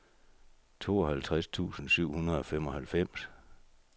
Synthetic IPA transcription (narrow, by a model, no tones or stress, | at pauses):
t͡sʰo̝̰ːɒ̽hælt͡sʰʁast͡sʰṵːsn̩syʊ̰hunɐðˠɒ̽fem̰ɒ̽hælfem̰s